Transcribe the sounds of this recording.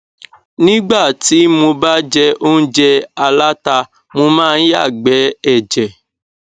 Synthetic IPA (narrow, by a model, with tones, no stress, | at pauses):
nĩ˦ɡ͡ba˦˨ti˨˦mo˧ba˦d͡ʒɛ˧o˦n̩˦d͡ʒɛ˦a˧la˦ta˧ | mo˧mãː˦˧n̩˦ja̰˦˨ɡ͡bɛ˨˦ɛ˦˨d͡ʒɛ˨